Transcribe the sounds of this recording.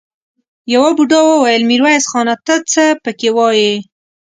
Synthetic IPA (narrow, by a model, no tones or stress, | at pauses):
jawɑbuɖɑwəwajəlmiɾwajsxɑnat̪ət͡səpəkewɑje